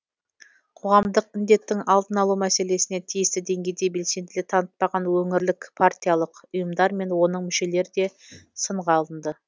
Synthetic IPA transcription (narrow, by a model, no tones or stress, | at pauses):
qʰo̞ʁɑmd̪əqɪnd̪e̞t̪ːɪŋɑlˠd̪ənɑlˠumæse̞le̞sɪne̞t̪ʰijɪst̪ɪd̪e̞ŋɡʲe̞jd̪e̞be̞lse̞nd̪ɪlɪt̪ʰɑnət̪̚pɑʁɑnwɵŋɪɾlɪkpʰaɾt̪ʲijalˠəqʊjəmd̪ɑɾme̞nwo̞nəɴmʏʃe̞le̞ɾɪd̪e̞səɴʁɑlˠənd̪ə